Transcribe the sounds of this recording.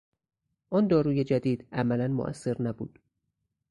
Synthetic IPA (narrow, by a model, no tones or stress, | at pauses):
ʔɒːnd̪ɒːɾuːje̞d͡ʒæd̪iːd̪æmælænmo̰ʔæ̰sːe̞ɾnæbṵːd̪̥